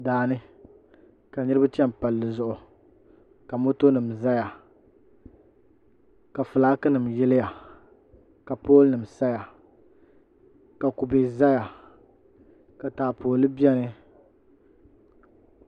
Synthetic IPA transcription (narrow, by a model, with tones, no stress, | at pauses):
daː˨nɨ˦ | ka˨nɨ˦ɾɨ˦ba˦t͡ʃɛ˦m˨pa˨lːɨ˨zʊ˦ʔʊ˨ | ka˨mo˦to˦nɨ˨mza˦ja˨ | ka˨fɨ˨laː˦kɨ˦nɨ˨mjɛ˦lɪ˦ja˨ | ka˨poː˦lnɨ˨m˨sa˦ja˨ | ka˨ku˨be˨za˦ja˨ | ka˨taː˨pʰoː˨lɨ˦bi˦ɛ˦nɨ˦